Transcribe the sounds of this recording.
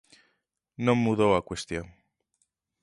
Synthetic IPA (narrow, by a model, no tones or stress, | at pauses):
nõmːuðoakwest̪joŋ